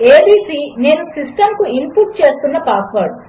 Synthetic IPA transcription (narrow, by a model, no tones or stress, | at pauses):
eːbiːsiːne̞ːnusisʈɐmkuimpuːʈ̚t͡ʃeːst̪unːɐpaːsʋɐɽu